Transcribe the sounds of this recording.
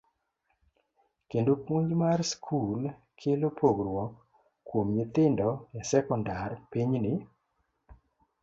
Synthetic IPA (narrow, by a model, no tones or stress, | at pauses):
kendopuɲd͡ʒmarskʰul | kʰelopʰoɡrwɔkː | womɲet̪ɪndɔjasɛkɔndarpiɲnɪ